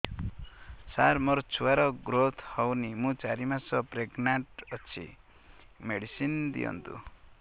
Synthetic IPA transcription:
saɾmɔɾt͡ʃʰuaɾɔɡɾot̪ʰhɔwnimũt͡ʃaɾimasɔpɾeɡnaɳʈʌt͡ʃʰḭ | meɽisind̪ḭjɔ̰nt̪ṵ

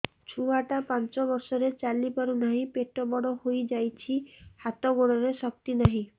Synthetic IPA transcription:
t͡ʃʰuaʈapant͡ʃɔbɔɾsɔɾet͡ʃalipaɾunaɦĩpeʈɔbɔɽɔhojd͡ʒajt͡ʃʰihat̪ɔɡoɽɔɾesɔk̚t̪inaɦĩ

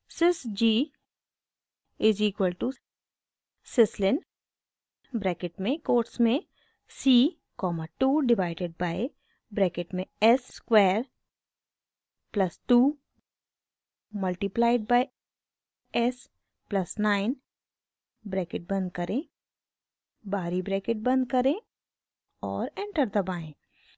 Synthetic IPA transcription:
sɪsd͡ʒiː | ɪziːkwəlʈu | sɪslɪn | bɾɛːkɪʈmẽkoːʈsmẽ | siː | kɔːmaʈuːɖɪʋaːɪɖeɖ̚baːɪ | bɾɛːkɪʈmẽɛsːkweːɾ | plɐsʈuː | mɐlʈiplaːɪɖ̚baːɪ | ɛs | plɐsnaːɪn | bɾɛːkɪʈ̚bɐ̃nd̪̚kɐɾẽ | baːɾibɾɛːkɪʈ̚bɐ̃nd̪kɐɾẽ | ɔːɾɛ̃ɳʈəɾd̪ɐbaːẽː

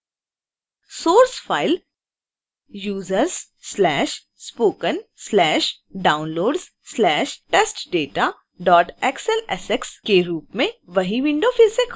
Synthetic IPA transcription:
soːɾsfaːɪl | juːzəɾz | sːlɛːʃ | spoːkənslɛːʃ | ɖaːʊ̃nloːɖz̥ | slɛːʃʈeːsʈɖeːʈa | ɖɔːʈɛksɛlɛsekskeɾuːpmẽʋɐɦiʋɪ̃ɳɖofɪlsek

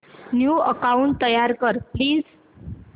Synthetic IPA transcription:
njuəkauɳʈ̚t̪əjaɾkəɾpliːd͡z

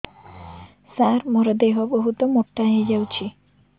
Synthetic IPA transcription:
saɾmoɾɔd̪eɦoboɦut̪ɔmoʈːaɦed͡ʑawt͡ɕʰi

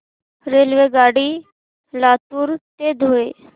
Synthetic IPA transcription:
ɾeːlʋeɡaːɽi | laːt̪uːɾt̪ed̪ʱoːeː

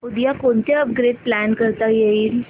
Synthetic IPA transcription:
ud̪ijakoɳt̪eəp̚ɡɾeɖ̚plænkəɾt̪ajeiːl

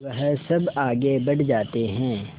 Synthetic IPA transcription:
ʋɐɦsɐbaːɡebɐɽ̤d͡ʒaːt̪eɦɛ̃ː

